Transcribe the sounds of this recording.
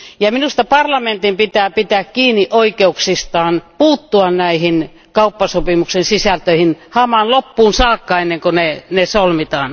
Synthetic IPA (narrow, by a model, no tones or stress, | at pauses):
jɑminust̪ɑpɑrlɑment̪impit̪æːpit̪æːkkiːnːiʔoikeuksist̪ɑːnpuːt̪ːuɑnnæihin | kɑupːɑsopimuksensisælt̪øihinhɑmɑnlopːuːnsɑːkːɑenːeŋkonenesolmit̪ɑːn